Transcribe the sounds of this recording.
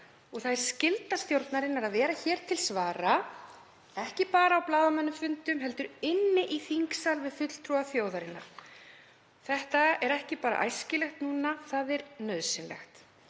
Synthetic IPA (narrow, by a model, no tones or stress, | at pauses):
ɔɣθaðɾ̥scɪlt̪ast̪jowɾt̪naɾɪnːaɾaðvɛːɾaçɛːɾ̥t̪ʰɪlsvaːɾa | ɛhcɪpaːɾaːwplaːðamɛnːʏmfʏnt̪ʏmɦɛlt̪ʏɾɪnːɪʔiθiŋksalvɪðfʏt̪l̥t̪ʰɾuaθjoːwðaɾɪnːa̰ | θɛht̪aɛɾɛhcɪpaːɾa̰ʔa̰jscɪlɛxt̪nuːnaθaðɛɾnœðsɪnlɛ̰xt̪